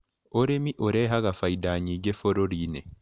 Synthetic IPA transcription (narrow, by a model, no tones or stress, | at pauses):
oɾemiʔoɾeːɦaɣafaidaːɲiɟefoɾoɾiːnḛ